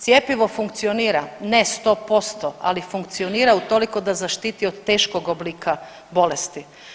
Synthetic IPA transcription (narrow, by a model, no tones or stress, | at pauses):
t̪jepiʋo̞fuŋkt̪sioniːɾanest̪o̞po̞st̪oa̰lifuŋkt̪sio̞niːɾaut̪o̞liko̞d̪azaʃt̪iːt̪iod̪t̪e̞ːʃko̞ɡobliːkʰa | bo̞lest̪i